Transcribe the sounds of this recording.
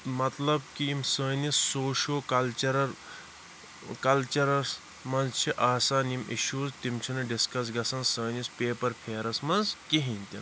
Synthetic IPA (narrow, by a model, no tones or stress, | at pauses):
mɐt̪lɐbkiimsəːnisːoːʃoːkɐlt͡ʃɐɾɐɾ | kɐlt͡ʃɐɾɐɾs | mɐnzt͡ʃʰiʔaːsaːnimḭʃuːzt̪imt͡ʃʰinɨɖiskɐs̬ɡɐsɐnsəːnispʲeːpɐɾpʰeːɾɐsmɐnzkiɦĩnʲt̪ʲin